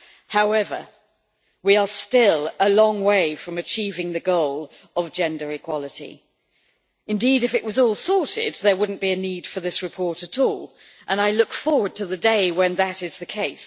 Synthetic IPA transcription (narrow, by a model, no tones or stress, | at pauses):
haʊɛvə̰˞ | wiə˞stɪlˠəlɔ̃ŋweɪfɹʌ̃mɨt͡ʃʰivɪ̃ŋðɨɡoʊlˠ | ʌvd͡ʒɛ̃ndə˞ɨkʰw̥ɑlˠəɾḭ | ɨ̃ndiɾɨfɨʔwʌzɔlˠsɔɹɾɪ̰d̪̚ðə˞wʊdⁿn̩b̥iɨnid̥fə˞ðɪsɹɨpʰɔɹɾɨɾʰɔlˠ | ʔə̃naɪlʊkfɔɹwə˞d̚tʰɨðɨdeɪwɨ̃nðɨɾɨzðɨkʰeɪs